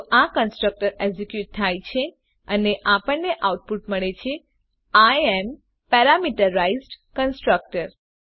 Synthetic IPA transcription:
ʔãkənsʈɾək̚ʈəɾezikjuʈ̚t̪ʰːajt͡ʃʰe | əneʔapəɳnːeʔauʈ̚puʈməɭet͡ʃʰe | aem | pɛɾamiʈəɾaizɖkənsʈɾək̚ʈəɾ

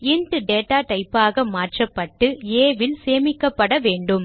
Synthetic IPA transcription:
ɪnt̪ɯɖeːʈaːʈɐɪpːaːɣɐmaːʈrɐpːɐʈːɯeːʋɪlseːmɪkːɐpːɐɽɐʋeːɳɖɯm

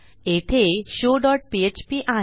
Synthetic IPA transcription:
et̪ʰeɕoɖɔʈ̚piet͡ɕpiʔa

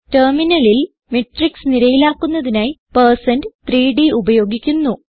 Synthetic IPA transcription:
tɐrminɐlil | meʈːriksniɾɐjilaːkːunːɐðinaːjpɐrsɐndɨt̪riːɖiubɐjo̞ːɡikʲːunːu

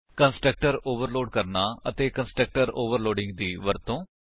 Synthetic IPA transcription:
kənsʈɾək̚ʈəɾoːʋəɾloːɖkəɾnaːət̪eːkənsʈɾək̚ʈəɾoːʋəɾloːɖɪ̃ŋɡ̚d̪iːʋəɾt̪õː

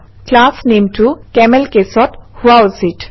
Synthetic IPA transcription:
klaːsnẽːmʈukɛməlkesɔʈhʊaʊsiʈ

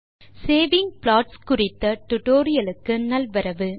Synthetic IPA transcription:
seːʋɪŋɡplaːʈskʊrɪt̪ːɐʈʊʈoːɾɪjɐlɯkːɯnɐlʋɐɾɐʋɯ

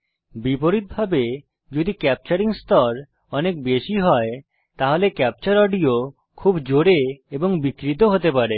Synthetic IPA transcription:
bipoɾit̪̚bʱabe | d͡ʑod̪ikɛp̚t͡ɕaɾiŋst̪ɔɾ | ɔnek̚beʃiɦɔe | t̪aɦolekɛp̚t͡ɕaɾɔɖio | kʰubd͡ʑoɾeeboŋbikɾit̪̬oɦot̪epaɾe

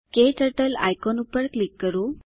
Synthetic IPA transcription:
keʈəʈəla̰jkɔnupəɾklikːəɾu

